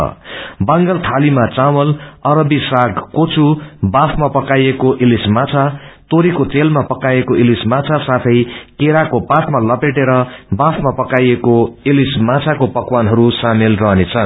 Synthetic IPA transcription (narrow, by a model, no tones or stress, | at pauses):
baŋɡʌlt̪ʰalimat͡sawʌlʌɾʌbisaɡkot͡subapʰmapʌkajekoʔilismat͡sʰat̪oɾikot͡selmapʌkajekoʔilismat͡sʰasat̪ʰʌjkeɾakopasmalʌpeʈeɾʌbapʰmapʌkajekoilismat͡sʰakopʌkwanɦʌɾusamelrʌɦnet͡sʰʌn